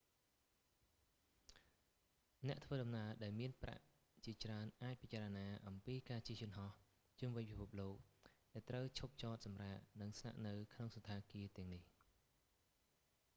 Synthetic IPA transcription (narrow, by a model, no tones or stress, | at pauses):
nɛ̆əʔt̪ʰʋəːɗɑmnaəɗaɛlmiənpra̰ʔ | t͡ɕiət͡ɕraənʔaːc̚pit͡ɕaːɾənaːʔɑmpiːkaːt͡ɕiəhjʊ̆ənɦɑh | t͡ɕumʋɨɲpʰipʰup̚loːk̚ɗaɛlt̪rəwt͡ɕʰup̚t͡ɕɑːt̪̚sɑmraːʔnɨŋsna̰ʔnɨwkʰnoŋsot̪ʰːaːkiət̪ɛ̆əŋnih